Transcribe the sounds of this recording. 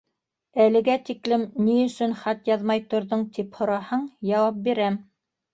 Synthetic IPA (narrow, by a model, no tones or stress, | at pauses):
ælɘ̆ɡæt̪iklɘmniɵ̆sɵnχɑt̪jɑðmɑjt̪ŏɾðoɴt̪iphŏɾɑhɤɴjɑwɑp̚biɾæm